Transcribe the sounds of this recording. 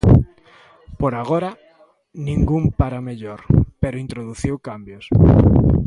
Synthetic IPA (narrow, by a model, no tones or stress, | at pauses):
poɾaɣoɾa | nĩŋɡumpaɾameʎoɾpeɾoint̪ɾoðuθiwkambjos